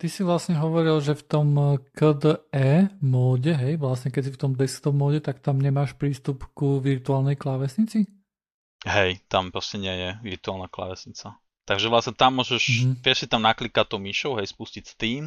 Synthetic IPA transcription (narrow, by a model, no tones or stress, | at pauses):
t̪isiʋlasɲɛɦɔʋɔɾilʒɛft̪ɔmkəd̪əɛːmɔːɟɛɦɛjʋlasɲɛkɛcs̬ift̪ɔmd̪ɛst̪ɔbmɔːɟɛt̪akt̪amɲɛmaːʃpɾiːst̪upkuʋiɾt̪uaːlˠnɛjklaʋɛsɲit͡si | ɦɛjt̪ampɾɔscɛɲɪɛjɛʋiɾt̪uaːlnakla̰ʋɛsɲit͡sa | t̪aɡʒɛʋlasɲɛt̪amːʊɔːʒɛʃ̩ʋɪɛʃsit̪amnaklikat̪ɔʊmiʃɔʊɦɛjspuscicst̪iːm